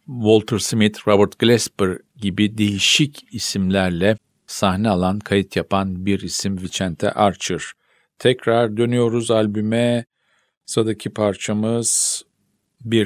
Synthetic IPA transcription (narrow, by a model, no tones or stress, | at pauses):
volʲˠt̪ʰɯɾsmit̪ɾobɯɾt̪ɡ̥lʲɛspɾ | ɟibid̪e̞jiʃicisimlʲæɾlʲɛ | sahnɛalˠankʰajit̪ʰjapʰanbiɾisimvit͡ʃʰænt̪ʰɛ̰ʔaɾt͡ʃʰɯɾ̥ | t̪ʰɛcɾaɾd̪ø̞nyjo̞ɾuzalʲbymɛ | sad̪acʰipʰaɾt͡ʃʰamɯz̥ | biɾ